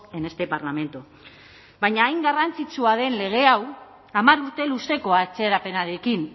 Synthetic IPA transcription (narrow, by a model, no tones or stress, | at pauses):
e̞ne̞st̪e̞paɾlame̞nt̪u | baɲaːjŋɡarant͡sit͡suaðe̞nle̞ɣ̞e̞aw | amaɾuɾt̪e̞luse̞ko̞at͡se̞ɾape̞naɾe̞kin